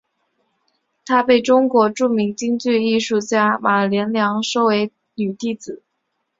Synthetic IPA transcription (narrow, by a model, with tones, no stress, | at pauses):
t̪ʰa˥pe˥˩ɪʈ͡ʂʊ˥ŋkwɔ˧˥ʈ͡ʂu˥˩mi˧˥ŋt͡ɕi˥ŋt͡ɕy˥˧i˥˧ʂu˥˩t͡ɕja˥ma˨˩ə˨˩ljɛ˧˥nljɑ˧˥ŋʂo˥˧ʊwe˧˥ɪ | ny˨˩t̪i˥˩t͡sɹ̩˨˩˦